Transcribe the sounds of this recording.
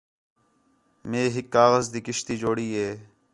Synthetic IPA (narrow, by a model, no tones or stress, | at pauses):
mẽːɦɪkːaːɣəzd̪iːkɪʃt̪iːd͡ʒoːɽiːɦeː